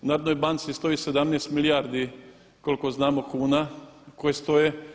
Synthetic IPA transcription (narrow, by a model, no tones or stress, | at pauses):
naːɾod̪nojbant̪sist̪o̞jised̪amneːst̪milijaɾd̪i | koliko̞znaːmo̞kuːnakojest̪o̞je